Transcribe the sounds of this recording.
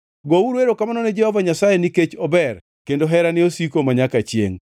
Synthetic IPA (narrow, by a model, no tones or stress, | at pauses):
ɡouɾweɾokamanɔned͡ʒɛhɔvaɲasajeniket͡ʃɔbɛr | kendoɦɛɾanɪosikomaɲakat͡ʃjḛŋ